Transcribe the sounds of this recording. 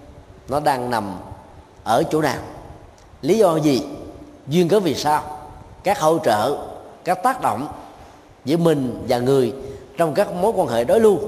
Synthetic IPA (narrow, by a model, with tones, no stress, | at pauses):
nɔ˨˦ɗaː˧ŋna˨˩m | ʔəː˧˩t͡ɕṵ˧˩na̰ː˨˩ŋ | li˨˦zɔ˧zi˨˩zwi˧ənkəː˨˦vi˨˩saː˧wkaː˦˥k̚ho˧˩t͡ɕə̰ː˧˨kaː˦˥k̚t̪aː˦˥k̚ɗo̰˧˨wŋ͡m | zɨ̰˧˩əmï˨˩ŋ̟vaː˨˩ŋɨ˨˩əjt͡ɕɔ˧wŋ͡mkaː˦˥k̚mo˨˦jkwaː˧nhḛ˧˨jɗo˨˦jlu˧ə